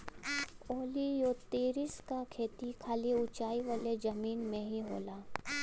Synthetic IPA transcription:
oːlijoːt̪eːɾɪskakʰeːt̪ikʰaːliʊt͡ʃaːiʋəled͡ʒɐmiːnmẽɦiɦo̰ːlaː

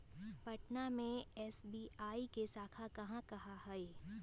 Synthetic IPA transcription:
pɐʈnamẽɛːsbiːaːikesaːkʰakɐɦãkɐɦaɦɛe

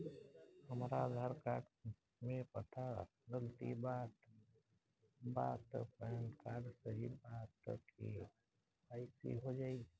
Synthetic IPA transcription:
həmɾad̪ʱaːɾkaːɖ | mẽpət̪ʰa | ɡəlt̪ḭbaːt̪ | ba̰ːt̪ə̰pɛnkaːɖsəɾiɾbaːt̪ːə̰ḭ | aːɪsḭɦod͡ʒaːi

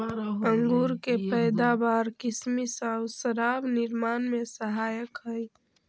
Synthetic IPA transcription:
əŋɡuːɾkepəjd̪abaːɾkɪsmisawsəɾaːbnɪɾmaːnmesəɦaːjəkɦəj

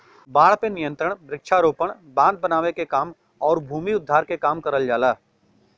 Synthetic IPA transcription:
baːɽ̤penɪjə̃nt̪ɾəɽ̃bɾɪkʃʰaɾoːpəɽ̃ | bãːd̪̚bənaːʋekekaːm | ɔːɾbʱuːmiʊd̪ʱːaːɾkekaːmkɐɾəld͡ʒaːlaː

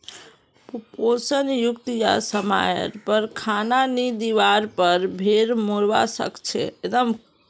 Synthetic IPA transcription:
pposənjukt̪ja̰səma̰ɾpəɾkʰananid̪iʋaɾpəɾbʱeɾmoɾʋa̰sə̰kt͡ʃʰɛ̰ed̪əm

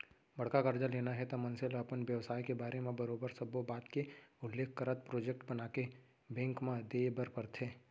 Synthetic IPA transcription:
bɐɽ̤kakɐɾd͡ʒaleːnaɦɛt̪amɐ̃nselɐpənʋjɐʋsaːikebaːɾemẽbɐɾoːbəɾsɐbobaːt̪keʊlːeːkʰkɐɾət̪̚pɾoːd͡ʒek̚ʈbɐnaːke | bɛ̃ːŋkmãd̪eːbəɾpɐɾt̪ʰeː

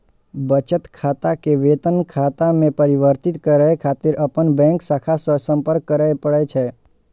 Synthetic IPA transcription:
bət͡ʃət̪kʰat̪akeʋet̪ənkʰat̪amẽpəɾiʋəɾt̪it̪kəɾajkʰat̪ɪɾʔəpəɳbɛ̃ŋksakʰasəsəmpəɾkːəɾajpəɭet͡ʃʰe

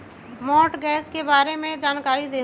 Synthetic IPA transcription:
mɔːʈɡɛːskebaːɾemẽd͡ʒaːnkaːɾid̪eː

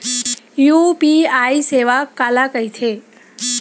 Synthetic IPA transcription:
jupiaiseʋakalakəit̪ʰe

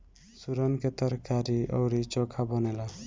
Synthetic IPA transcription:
suɾʌnkʰet̪ʌɾkaɾiʔʌ̰wɾit͡ʃɔkʰabʌnela

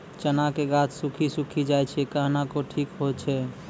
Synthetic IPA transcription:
t͡ʃənakeɡat̪ʰsũkʰisũkʰid͡ʒaːɛt͡ʃʰɛkaɦnakoʈʰiːkɦot͡ʃʰɛ

